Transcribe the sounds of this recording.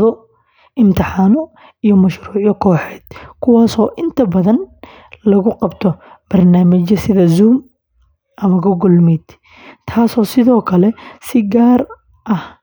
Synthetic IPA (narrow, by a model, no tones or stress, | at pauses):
ðɔ | ɪmt̪ʰɪħaːmɔ | ijɔmɐʃruːʕjɔkʰɔːħɛːd̪̥kʰʊwɑːsɔːʔɪnt̪ʰɐbɐðɐn | lɐɣʊqɑbt̪ʰɔb̥ɐrnaːmɪt͡ʃɐsɪðɐzuːm | ʔɐmɐɡɔɡɔlmid̪̥ | t̪ʰaːsɔːsɪðɔːkʰɐlɛsɪɡaːr | ʔɐh